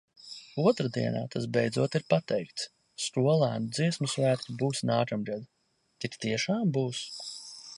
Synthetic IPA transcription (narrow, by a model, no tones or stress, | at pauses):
uɔt̪ɾad̪ḭɛna̰ːt̪ʰasbejd̪zuɔt̪iɾpat̪ɛjkt̪s | skuɔlˠæːnud̪ziɛsmusvæːt̪t̪ubuːsnaːkamɡɛd̪ | t̪ik̪t̪iɛʃaːmbuːs